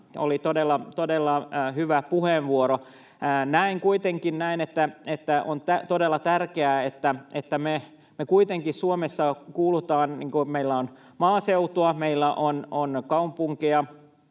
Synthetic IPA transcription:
o̰lit̪odelːɑt̪odelːɑhyʋæpuheːʋʋuoɾoː | næiŋkuit̪eŋkinnæinet̪ːæet̪ːæʔont̪æt̪odelːɑt̪ærkeæet̪ːæʔet̪ːæme | mekuit̪eŋkissuomesːɑkuːlut̪ɑːnniːŋkumeilːæon | mɑːseut̪oɑmeilːæʔononkɑumpuŋkiɑ

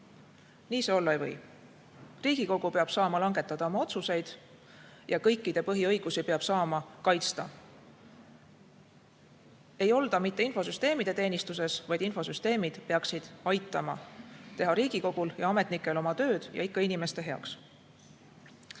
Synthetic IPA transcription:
niːse̞o̞lːɑejvɤ̞̰j | riːɡ̥iko̞ɡ̥upeɑb̥sɑːmɑlɑŋɡe̞t̪ːˑɑd̪̥ɑomɑo̞t̪suse̞jd̪̥ | jɑkɤ̞jkːid̪̥e̞pɤɦiɤjɡ̥usipe̞ɑb̥sɑːmɑkɑjt̪st̪ɑ | e̞jo̞ld̪̥ɑmit̪ːe̞info̞syst̪e̞ːmid̪̥e̞t̪e̞ːnist̪use̞svɑjd̪info̞syst̪e̞ːmid̪̥peɑksid̪̥ɑjt̪ːˑɑmɑ̰t̪e̞ɦɑɾiːɡ̥iko̞ɡ̥uljɑɑme̞t̪ˑnikːˑe̞lo̞mɑt̪ø̞ːd̪̥jɑ̰ikːɑinime̞st̪e̞ɦe̞ɑ̰ks

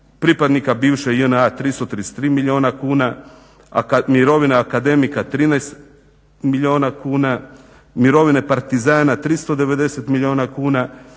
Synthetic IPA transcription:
pɾipad̪nikabiːʋʃejənat̪ɾist̪ot̪ɾiese̥t̪ɾiːmiʎʲio̞nakuːna | amiɾo̞ʋineakad̪e̞mikat̪ɾinajst̪ | miʎʲo̞ːnakuːna | miɾo̞ʋine̞paɾt̪izaːnat̪ɾist̪o̞d̪e̞ʋe̞d̪e̞se̞t̪milʲio̞ːnakuːna

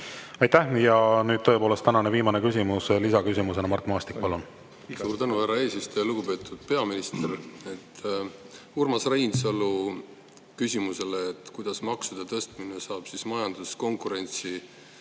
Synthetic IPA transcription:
ɑjt̪æhjɑnyːd̪̚t̪ɤ̞epoːle̞st̪ænɑneviːmɑnekysʲimuslisɑkysimuse̞nɑmɑrt̪ːˑmɑːst̪ik̚pɑlun | ssuːɾt̪ænuhærːɑe̞ːsist̪o̞jɑluɡ̥upe̞ːt̪ːˑud̪̥̚pe̞ɑminist̪eret̪ː | urmɑsrejnsɑlu | kysʲimuse̞leːt̪ːˑkujd̪̥ɑsmɑksud̪̥ɑt̪ɤst̪minesɑːb̥sismɑjɑnd̪̥usko̞ŋkuɾe̞nʲt̪si

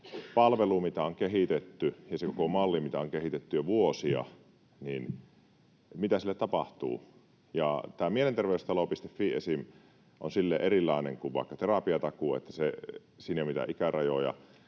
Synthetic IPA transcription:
pɑlʋelumit̪æoŋkeɦit̪et̪ːyjɑsekokomɑlːimit̪æoŋkeɦit̪et̪ːyjɑʋuosiɑ̰ | nin | mit̪æsilːet̪t̪ɑpɑht̪ṵː | jɑt̪æːmielent̪erʋeˑyst̪ɑlopist̪efːiesim | ʔo̰nsilːeʔerilːˑɑˑenḛŋkuʋʋɑ̰ˑekːɑt̪erɑpiɑt̪ɑkuːḛt̪ːæse | siːnjomit̪æ̰ʔikærɑjojɑ̰

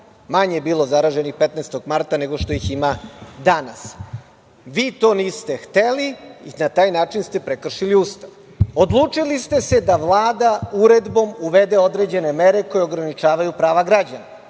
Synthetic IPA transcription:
maɲejebiːlˠo̞zaɾaʒe̞nixpet̪neːst̪o̞ɡmaɾt̪ane̞ɡo̞ʃt̪o̞jiximad̪anas | ʋiːt̪o̞ːniːst̪e̞xt̪eliinat̪aːjnaːt͡ʂinst̪e̞pɾekr̩ʃiliust̪aʋ | o̞d̪lˠuːt͡ʂilist̪ese̞d̪aʋlˠaːd̪auɾe̞d̪bo̞muʋe̞d̪e̞o̞d̪ɾe̞d͡ʑe̞ne̞meɾe̞ko̞jeo̞ɡɾanit͡ʃaːʋajupɾaːʋaɡɾad͡ʑana

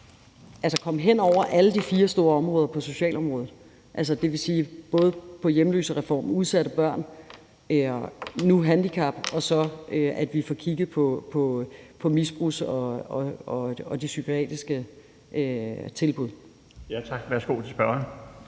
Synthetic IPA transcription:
ælsəkʰɒ̽m̰ɦen̰ɒʊ̰ɐʔæləd̥ifiːɐsd̥o̝ːɐɒ̽mʁɔ̽ːð̞ˠɐpʰɒ̽so̝ɕɛ̰ːlɒ̽mʁɔːð̩ˠ | ʔæls̬ɐd̥e̝ʋe̝siːb̥ɔ̽ːð̞ˠəpʰɒ̽jemlø̰ːsəʁɛfɒ̰ːmuð̞ˠsæɾ̥əb̥ɶɐ̰n | nuɦænd̥ikʰɑ̈b̥ɒ̽sɒ̽øʔæd̥ʋifɒkʰiɡ̥ð̩ˠpʰɒ̽pʰɒ̽pʰɒ̽misb̥ʁusɒ̽ɒɒ̽ɒ̽d̥isykʰoɛ̰ːd̥isɡ̥ə | ʔøt͡sʰe̝lb̥uðˠ | jæt͡sʰɑ̈ɡ̥ʋæɐsɡ̥o̝̰ːt͡sʰisb̥ɶɐ

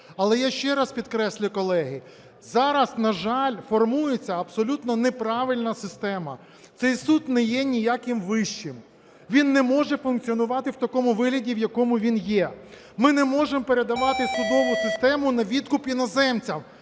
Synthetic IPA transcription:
ɐlˠɛjaʃt͡ʃɛɾɐspʲid̪kɾɛsʲlʲʊkɔlˠɛɦɪ | zɑɾɐsnɐʒɑlʲfɔrmujet͡sʲːɐɐbsɔlʲut̪nɔnepɾɑʋɪlʲnɐsɪst̪ɛmɐ | t̪sɛjsut̪nɛjɛnʲijakɪmʋɪʃt͡ʃːɪm | ʋʲinːɛmɔʒɛfʊnkt͡sʲiɔnʊʋɑt̪ɪwt̪ɐkɔmʊʋɪɦlʲɐdʲiwjɐkɔmʊʋʲinjɛ | mɪnɛmɔʒempe̞ɾe̞d̪ɐʋɑt̪ɪsʊd̪ɔʋʊsɪst̪ɛmʊnɐʋʲid̪kʊpinɐzɛmt͡sʲɐm

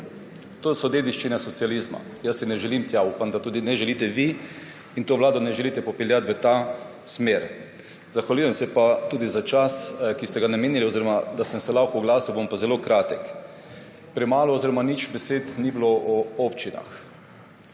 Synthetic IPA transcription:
t̪oːsɔd̪eːd̪iʃt͡ʃinɛsɔt̪sializma̰ | jəsːinɛʒɛlimt̪jaupamd̪at̪uːd̪inɛʒɛlit̪ɛʋi | int̪oːʋlaːd̪ɔnɛʒɛliːt̪ɛpɔpɛljat̪ʋət̪a | smeːɾ | zaxʋaluːjɛmsɛpat̪uːd̪izat͡ʃaskist̪ɛɡanameːnilioziɾɔmad̪asəmsɛlawkoɡlaːsibompazɛlokɾaːt̪ɛk | pɾɛmaːlɔːziɾɔmanit͡ʃbɛseːt̪nibloʔɔopt͡ʃina̰x

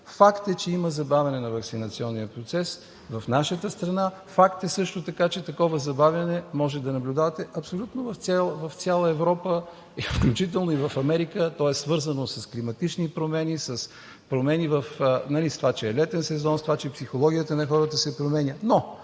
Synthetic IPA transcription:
fakt̪ɛt͡ʃɛiməzɐbavʲɛnɛnɐvɐksinɐt̪siɔnːijəpɾot̪sɛs | vɐfnaʃət̪əst̪ɾɐna | fakt̪ɛsɤʃt̪ot̪ɐkat͡ʃɛt̪ɐkɔvəzɐbavʲjɐnɛmɔʒɛd̪ɐnɐblʲud̪avət̪ɛʔɐpsolʲut̪novɐft̪sʲɛlˠvɐft̪sʲalˠəɛvɾɔpə | ifklʲut͡ʃit̪ɛlˠnoivɐfɐmɛɾikət̪ɔɛssvɤɾzənosɐsklimɐt̪it͡ʃnipɾomɛnisəs | pɾomɛnivəfnɐlist̪ovat͡ʃɛɛlɛt̪ɛnsɛzɔnst̪ovat͡ʃɛɛpsixolˠɔɡʲijət̪ənɐxɔɾət̪əsɛpɾomɛnʲəno

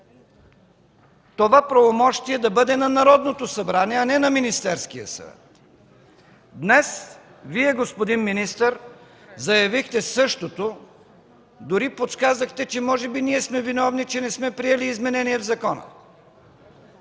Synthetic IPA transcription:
t̪ovapɾɐvomɔʃt̪iɛd̪ɐbɤd̪ɛnɐnɐɾɔd̪not̪osɐbɾaniɛɐnɛnɐminist̪ɛɾskijə̰sə̰t̪ | d̪nɛs | viɛɡospod̪inminist̪əɾ | zɐjɐvixt̪ɛsɤʃt̪ot̪o | d̪ʊɾipot̪skazəxt̪ɛt͡ʃɛmɔʒɛbiniɛsmɛvinɔvnit͡ʃɛnɛsmɛpɾiɛliːzmɛnɛniɛvzɐkɔnə̰

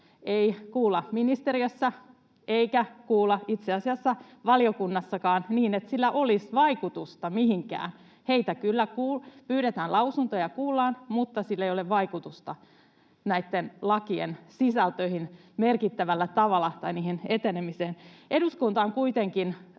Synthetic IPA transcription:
eikuːlːɑminist̪eɾiøsːɑ | eikækuːlːɑit̪seɑsiɑsːɑʋɑliokunːɑsːɑkɑːnniːnet̪silːæʔolisʋɑikut̪ust̪ɑmihiŋkæ̰ːn | heit̪ækylːækuːlpyːɾet̪æːnlɑusunt̪ojɑkuːlːɑːnmut̪ːɑsilːeijoleʋʋɑikut̪ust̪ɑ | næit̪ːenlɑkiḛnsisælt̪øihin | merkit̪ːæʋælːæt̪ɑʋɑlːˑɑt̪ɑiniːhenet̪enemiseːnʔeduskunt̪ɑːŋkuit̪eŋkin

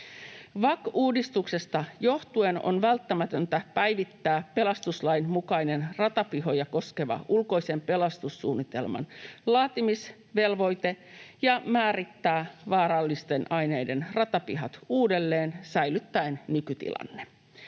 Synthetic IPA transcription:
ʋɑkuːdist̪ukse̞st̪ɑjo̞ht̪ueno̰nʋælt̪ːæmæt̪ønt̪æpæjʋit̪ːæːpe̞lɑst̪uslɑjnmukɑine̞nrɑt̪ɑpiɦo̞jɑko̞ske̞ʋɑ̰ʔulko̞ise̞mpe̞lɑst̪usːuːnːit̪e̞lmɑ̰nlɑːt̪imis | ʋe̞lʋo̞jt̪e | jɑmæːrit̪ːæːʋɑːɾɑlːist̪e̞nʔɑjne̞jdenrɑt̪ɑpiɦɑt̪uːde̞lːeːnsæjlyt̪ːæennykyt̪ḭlɑ̰nːe

